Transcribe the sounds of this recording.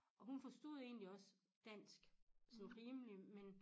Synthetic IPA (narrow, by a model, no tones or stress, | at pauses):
ʔɒ̽ɦunfɒ̽sd̥o̝ð̞̰ˠe̝̰ːnliɒ̽s | d̥æn̰sɡ̥sɒ̽mʁiːmlimen